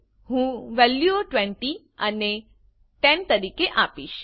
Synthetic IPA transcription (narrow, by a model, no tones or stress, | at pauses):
ɦũʋɛljuoʈʋɛ̃ɳʈi | əne | ʈɛnt̪əɾikeʔapiʃ